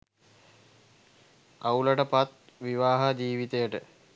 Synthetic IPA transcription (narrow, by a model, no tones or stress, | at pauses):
auləʈəpat̪ | ʋiʋaːɦad͡ʒiːʋit̪ejəʈə